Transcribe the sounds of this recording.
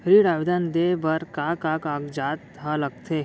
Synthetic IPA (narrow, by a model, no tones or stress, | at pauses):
ɾiɽaːʋid̪and̪ebɐɾkakaːkakd͡ʒaːt̪ɦalɐɡ̚t̪ʰe